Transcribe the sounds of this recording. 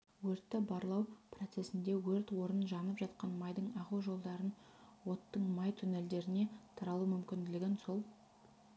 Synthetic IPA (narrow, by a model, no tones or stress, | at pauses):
wɵɾt̪ːɪbɑɾlˠɑwprot̪se̞sɪnd̪e̞wɵɾt̪wo̞ɾənʒɑnəpʒɑt̪̚qɑnmɑjd̪əɴɑʁəwʒo̞lˠd̪ɑɾən | wo̞t̪ːəɴmɑjt̪ʰʊne̞ld̪e̞ɾɪne̞t̪ʰɑɾɑlˠumʏmkʲɪnd̪ɪlɪɡʲenso̞lˠ